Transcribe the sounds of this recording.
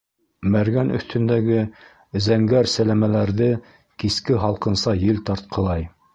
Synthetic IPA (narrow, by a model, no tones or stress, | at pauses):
mæɾɡænʔɵ̰̆θt̪ʰɵ̆nd̪æɡɘ | zæŋɡæɾsælæmælæɾðɘ | kiskɘɦɑlˠqɤ̆nsɑjɘlt̪ɑɾt̪̚qʰɤ̆lˠɑj